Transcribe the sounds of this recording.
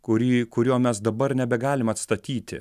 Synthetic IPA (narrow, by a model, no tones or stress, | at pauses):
kʊɾʲiːkʊɾʲuːmʲɛsd̪ɐbɐɾnʲɛbʲɛɡɑːlʲɪmɐt̪st̪ɐt̪ʲiːt̪ʲɪ̰